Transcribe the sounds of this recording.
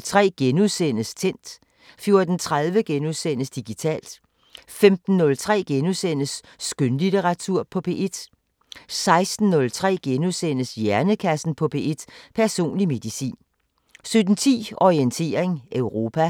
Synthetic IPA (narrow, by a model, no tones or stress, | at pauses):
t͡sʰʁɛ̰ːɡ̥enuðˠsenəst͡sʰen̰d̥ | fjo̝ɐd̥n̩t͡sʰʁað̞ˠʋəɡ̥enuðˠsen̰əsd̥iɡ̥it͡sʰɛ̰ːld̥ | femd̥n̩ːɔ̽lt͡sʰʁɛ̰ːɡ̥enuðˠsen̰əsː | ɡ̥ønlit͡seʁɑ̈t͡sʰuɐ̰pʰɒ̽pʰe̝̰ːʔed̥ | sɑ̈ɪsd̥n̩ːɔ̽lt͡sʰʁɛ̰ːɡ̥enuðˠsen̰əsjæɐnəkʰæsn̩pʰɒ̽pʰe̝ːe̝d̥pʰæɐso̝̰ːnlime̝ð̥isḭːn | sød̥n̩t͡sʰḭːɒʁient͡sʰe̝̰ːɐʁeŋʔœʊʁo̝ːpʰæ